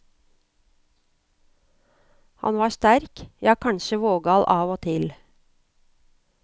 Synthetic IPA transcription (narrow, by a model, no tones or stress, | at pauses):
hɑ̰nʋɑːʃt̪æɾkjɑːkʰɑnʃəʋoːɡɑlʔɑːʋoːt̪ʰɪl